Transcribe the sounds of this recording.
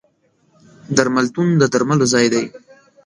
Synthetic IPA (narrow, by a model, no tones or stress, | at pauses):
d̪aɾmalt̪und̪əd̪aɾmalozɑjd̪aj